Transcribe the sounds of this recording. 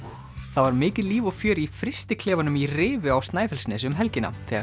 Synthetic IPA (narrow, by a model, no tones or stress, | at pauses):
θavaɾmɪːcɪðliːvɔɣfjœːɾifɾɪst̪ɪkʰlɛːvanʏmirɪːvɪawst̪naːjfɛlsnɛs̬ʏmɦɛlcɪna̰θɛːɣa